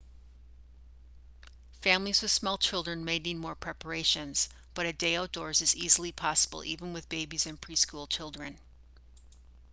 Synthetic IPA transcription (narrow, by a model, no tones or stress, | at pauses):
fæ̃mlizwɨð̥smɔlˠt͡ʃʰɪlˠdɹɨ̃nmeɪdⁿnid̚mɔɹpʰɹ̥ɛpə˞eɪʃɨ̃nz̥ | b̥ʌɾɨd̥eɪoʊt̚d̥ɔɹzɨzizl̩ˠipʰɑsəbl̩ˠʔivə̃nwɨðbeɪbizɨ̃npʰɹ̥iskulˠt͡ʃʰɪlˠdɹɨ̃n